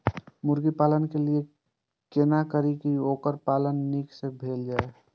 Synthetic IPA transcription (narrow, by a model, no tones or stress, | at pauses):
mʊɾɡipaːlənkelie | keːnakəɾikioːkəɾpaːlənːiksebʱeːld͡ʒaːe